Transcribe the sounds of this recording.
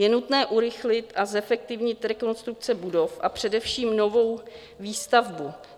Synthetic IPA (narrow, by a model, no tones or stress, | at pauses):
jɛnut̪nɛːʔuɾɪxlɪt̪ʔazɛfɛk̚t̪ɪvɲɪt̪ɾɛko̞nst̪ɾuk̚t͡sɛbudo̞fʔa̰pr̝̥ɛdɛfʃiːmno̞vo̞w | viːst̪avbu